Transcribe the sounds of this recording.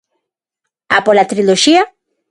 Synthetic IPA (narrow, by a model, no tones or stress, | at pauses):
a̰polat̪ɾiloʃia